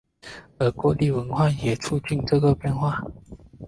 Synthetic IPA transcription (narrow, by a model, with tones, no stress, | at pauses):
ə˨˩kwɔ˥li˥˩wə˧˦nxwa˥˨jɛ˨˩ʈ͡ʂʰu˥˧t͡ɕi˥˨nʈ͡ʂɤ˥˧ɡə˨pjɛ˥˨nxwa˥˨